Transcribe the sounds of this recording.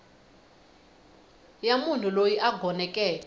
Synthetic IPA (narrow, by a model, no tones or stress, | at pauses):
jamun̤ulojiʔaɡʱɔnɛkʼɛː